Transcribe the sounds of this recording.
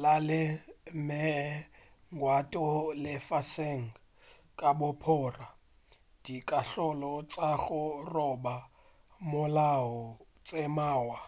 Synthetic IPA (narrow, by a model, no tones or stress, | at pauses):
lalɪmɛ | ŋɡwatʼɔlɪfaseŋ̩ | kʼabʊpʰʊːra | d̥ikʼaɬɔlɔt͡sʼaɣʊrɔba | mʊlaɔt͡sʼemaːwa